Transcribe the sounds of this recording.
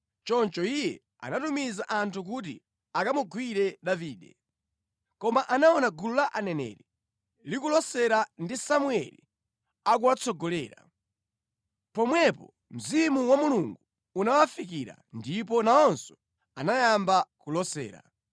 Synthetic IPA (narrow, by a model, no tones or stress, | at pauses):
t͡ʃɔnt͡ʃɔijɛ | a̰natumizaʔantʰuk̬ut̬i | akamuɡʱwiɾɛɗaviːɗɛ̰ | kɔmaʔanaɔnaɡululaʔanɛnɛ̰ːɾɛ | likulɔsɛɾandisamuɛlḭ | ak̬uwat͡sʰɔɡɔlɛːɾa | pɔmwɛpɔ̰ | m̩zimuwamuluŋɡu | unawafikiɾa̰ndip̬ɔnaɔnsɔ̥ | anajambakulɔsɛ̰ːɾa̰